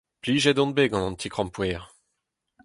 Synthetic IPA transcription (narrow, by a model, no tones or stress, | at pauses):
pliʒɛd̪ɔ̃n̚beɡɑ̃nɑ̃nt̪ʰikχɑ̃mpwɛːʁ